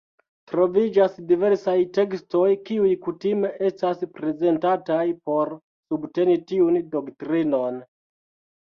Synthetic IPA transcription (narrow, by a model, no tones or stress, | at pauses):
tɾo̞vid͡ʒasdive̞ɾsajte̞ksto̞jkiujkutime̞ʔe̞staspɾe̞ze̞ntatajpo̞ɾ | subte̞nitiundo̞ktɾino̞n